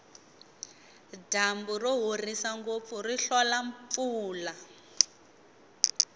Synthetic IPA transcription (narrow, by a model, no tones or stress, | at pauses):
damburɔɦorisaŋɡop̪furiɬɔlaɱp̪fuːla